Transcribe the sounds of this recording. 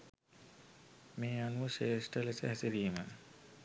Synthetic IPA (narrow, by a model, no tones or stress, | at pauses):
meːanuʃeːsʈəlesəɦæsiɾiːmə